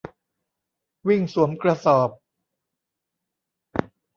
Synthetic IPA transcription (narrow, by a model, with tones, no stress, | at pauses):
wi˥˩ŋsu˩˦əmkɾa˧sɔː˨˩p̚